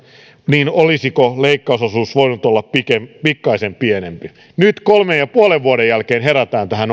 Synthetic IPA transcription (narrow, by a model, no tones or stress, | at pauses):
niːnolisikoleikːɑusosuːsʋoinut̪olːɑppikempikːɑisempienempi | nyt̪kolmejjɑpuoleʋːuodejjælkeːnɦeɾæt̪æːnt̪æhæn